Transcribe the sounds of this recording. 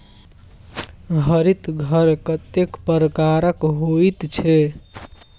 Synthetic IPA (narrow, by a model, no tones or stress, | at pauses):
ɦəɾit̪ɡʱəɾkət̪ekpəɾəkaɾəkɦoit̪t͡ʃʰɛ